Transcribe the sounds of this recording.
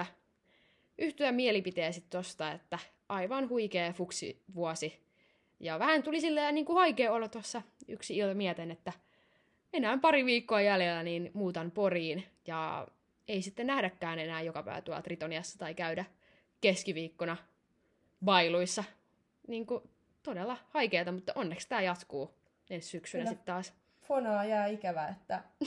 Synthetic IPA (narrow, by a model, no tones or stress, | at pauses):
ʔyht̪yæmielipit̪eæsit̪t̪ost̪ɑet̪ːæ | ʔɑiʋɑnhuikeːfuksḭʋuosi | jɑʋæhænt̪ulisilːeːniːŋkuhɑikeːolot̪ɑsːɑy̰ksiilt̪ɑmiɛt̪enet̪ːæ | enæːmpɑriʋiːkːoɑjælelːæniːnmuːt̪ɑnporiːnjɑ | eisit̪ːenæhdækːæːnenæːjokɑpæ̰iʋæ̰t̪uɑ̰lɑt̪rit̪oniɑsːɑ̥t̪ɑikæydæ | keskiʋiːkːonɑ | ʋɑiluisːɑ | niːŋku | t̪odelːˑɑhɑikeːt̪ɑmut̪ːɑʔonːekst̪æːjɑt̪kuː | enssyksynæsit̪t̪ɑːs | fonɑːjɑːikæʋæet̪ːæ